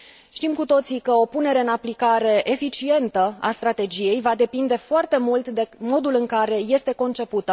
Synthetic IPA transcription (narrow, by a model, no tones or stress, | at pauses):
ʃt̪imkut̪o̞t̪sikəo̞pune̞ɾe̞ɨnaplikaɾe̞ʔefit͡ʃie̞nt̪əa̰st̪ɾat̪e̞d͡ʒije̞jvad̪e̞pind̪e̞foart̪e̞mult̪d̪e̞mo̞d̪ulɨŋkaɾe̞je̞st̪e̞ko̞nt͡ʃe̞put̪ə